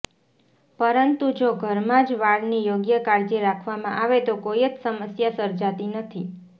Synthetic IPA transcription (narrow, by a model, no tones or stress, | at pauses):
pəɾənt̪ud͡ʒoɡʱəɾmãd͡ʒʋaɽnijoɡjəkaɾd͡ʒiɾakʰʋamãʔaʋet̪okoiət͡ʃsəməsjasəɾd͡ʒat̪inət̪ʰi